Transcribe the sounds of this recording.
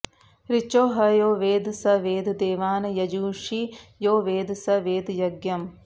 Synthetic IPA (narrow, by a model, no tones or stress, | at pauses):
ɾit͡ʃoːɦɐjoːʋeːd̪sɐʋeːd̪d̪eːʋaːnɐjɐd͡ʒuːʂijoːʋeːd̪sɐʋeːd̪jɐɡjɐm